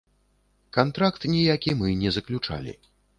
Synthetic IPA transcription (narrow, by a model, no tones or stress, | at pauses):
kant̪ɾakt̪nʲijakʲimɨnʲɛzɐklʲut͡ʂa̰lʲḭ